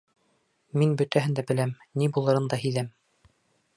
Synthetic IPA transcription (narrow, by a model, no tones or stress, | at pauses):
minbɵ̆t̪æɦɘ̆nd̪æbɘ̆læm | nibulˠɤ̆ɾɤnd̪ɑhiðæm